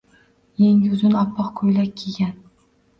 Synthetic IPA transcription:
jeŋjʊznɑpʰːɑqkʰojlakʲʰeɡʲan

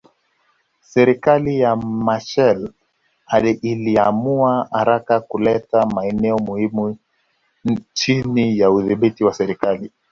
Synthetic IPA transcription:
sɛɾikalijamaʃɛl | ailiamuaha̰ɾakakulɛtamaɛnɛɔmuhimu | t͡ʃinijauðiɓitiwasɛɾikali

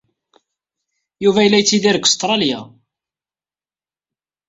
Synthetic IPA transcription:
juvæjəlːæjt͡sːiðiɾəkə̥st̪ˤɾˤɑlja̰

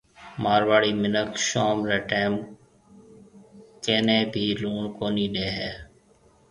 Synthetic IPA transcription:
maːɾʋaːɽiːmɪnəkʃaːmɾeːʈeːm | keːnẽːbʱiːluːɳkoːniːɗeːɦɛː

